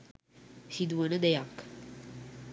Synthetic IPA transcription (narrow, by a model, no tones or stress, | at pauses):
sid̪uwənəd̪ejak